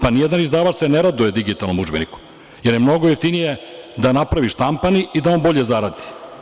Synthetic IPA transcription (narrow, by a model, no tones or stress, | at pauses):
panijed̪anizd̪aːʋat͡ʃseneɾad̪uje̞d̪iɡit̪alno̞mud͡ʒbeniku̥ | jeɾjemno̞ɡojeft̪inije̞d̪anapɾaʋiʃt̪ampaniʔid̪ao̞nbo̞ʎezaɾad̪i̥